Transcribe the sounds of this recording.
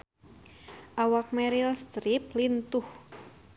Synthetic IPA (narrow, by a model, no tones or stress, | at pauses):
ʔawak̚mɛɾilst̪ɾip̚lint̪ʊh